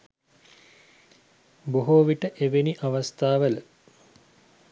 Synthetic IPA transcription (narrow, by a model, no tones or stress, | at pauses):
boɦoːʋiʈəʔeʋeniʔaʋast̪aːʋələ